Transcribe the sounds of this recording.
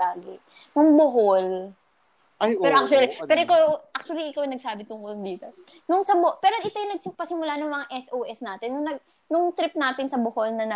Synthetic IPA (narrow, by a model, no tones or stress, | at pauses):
aːɡɪ | nʊŋboɦol | pɛɾoʔak̚t͡ʃuɐlipɛːɾoʔɪkaʔak̚t͡ʃʊɐliʔɪkawanɐɡ̚saːbɪt̪ʊŋʔʊlnd̪iːt̪o | nʊŋsɐbopɛːɾoʔɪt̪ojʊnɐɡ̚sɪpɐsɪmʊlaːnʊŋmɐŋaʔɛsʔowʔɛsnaːt̪ɪnːʊŋnɐɡ̚ | nʊŋt̪ɾɪp̚naːt̪ɪnsɐboholnɐnɐ